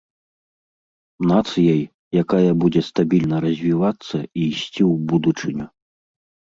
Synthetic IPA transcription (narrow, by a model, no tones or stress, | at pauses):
nat̪sɨjɐj | jakajɐbud͡zʲɛst̪abʲilʲnɐɾɐzʲvʲivat̪sːɐiːsʲt͡sʲiwbud̪ut͡ʂɨnʲu